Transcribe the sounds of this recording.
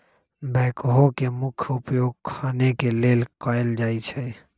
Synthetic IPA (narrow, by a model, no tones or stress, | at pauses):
bʱɛːkɦokemʊkʰʊpjoːɡ̚kʰaːnekeleːlkaeld͡ʒaːit͡ʃʰɛ